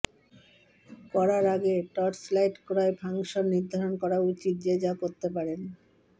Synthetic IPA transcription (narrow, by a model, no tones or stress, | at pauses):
pɔɾaɾaɡeʈɔʈslajʈkoɾaebʱaŋʃoɾniɾd̪ʱaɾonkɔɾaut͡ɕit̪̚d͡ʑed͡ʑakoɾt̪epaɾen